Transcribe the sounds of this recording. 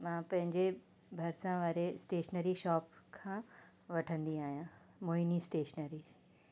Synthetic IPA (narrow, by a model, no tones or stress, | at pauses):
mãːpɐ̃ɦɪ̃ɲd͡ʑe | bʱɐɾsãʋaːɾesʈeːʃnəɾiʃɔːpkʰãː | ʋɐʈʰə̃nd̪iaːɦijã | moːinisʈeːʃnəɾis